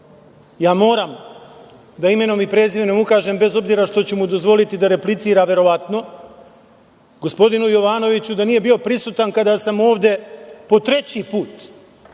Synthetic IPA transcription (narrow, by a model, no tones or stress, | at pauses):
jaːmo̞ːɾam | d̪aime̞no̞mipɾe̞ːziʋeno̞mukaːʒe̞mbe̞zo̞bziːɾaʃt̪o̞t͡ɕumud̪o̞zʋo̞lit̪id̪aɾe̞plit̪siːɾaʋe̞ɾo̞ʋat̪no̞ | ɡo̞spo̞d̪inujo̞ʋaːno̞ʋit͡ɕud̪aniːje̞bio̞pɾisuːt̪ankad̪asamo̞ːʋd̪e̞po̞t̪ɾe̞t͡ɕipuːt̪